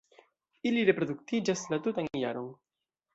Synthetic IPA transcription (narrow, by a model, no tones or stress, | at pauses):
iliɾe̞pɾod̪ukt̪id͡ʒaslat̪ut̪anjaɾo̞n